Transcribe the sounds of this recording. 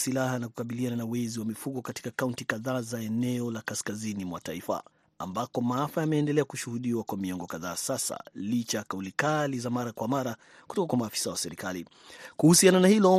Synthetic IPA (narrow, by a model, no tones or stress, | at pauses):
silahanaku̥kaɓiliananauwɛziwamifuɠɔkati̥kakauntikaðaːzaɛnɛɔlakaskazinimwa̰taifa̰ | a̰mbakɔmaafajamɛːndɛlɛakuʃuhuɗiwakwamiɔŋɡɔkaðaːsasa̰lit͡ʃajkaulikalizamaɾakwamaɾa | kutɔkakwamaːfi̥sawasɛɾikalḭ | kuhusiananahilɔ